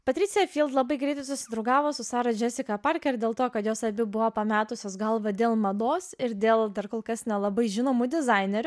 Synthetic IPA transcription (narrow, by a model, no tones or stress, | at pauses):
pɐt̪ʲɾʲɪt̪sʲejɛfʲiːlˠt̪lˠɐbɐɪɡɾʲɛɪt̪ɐɪsʊsʲɪd̪ɾɐʊɡɑːʋoːsʊsɑːɾɐd͡ʒʲɛsʲɪkɐpɐɾʲkʲɛɾd̪ʲeːlˠt̪oːkɐt̪joːsɐbʲɪbʊʋoːpɐmʲæːt̪ʊsʲoːsɡɐlˠʋɐd̪ʲeːlˠmɐd̪oːsɪɾd̪ʲeːlˠd̪ɐɾkoːlˠkɐsnʲɛlˠɐbɐɪʒʲɪnoːmud̪ʲɪzɐɪnʲɛɾʲʊ